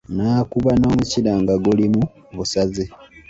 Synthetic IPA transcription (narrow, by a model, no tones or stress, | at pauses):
naːkuβano̞ːmucilaːŋɡaɡulimu | βusaze